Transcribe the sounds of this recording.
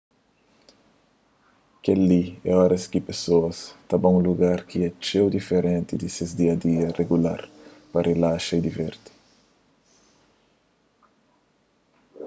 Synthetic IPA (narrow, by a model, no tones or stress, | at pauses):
kelːiɛ̰ɔɾɐskipesoɐst̪abɐũluɡaɾkiɛt͡ʃewd̪ifeɾẽnt̪id̪isezd̪iɐd̪iɐsreɡula̰ɾpɐrʔelaʃɐid̪ivɛɾt̪i̥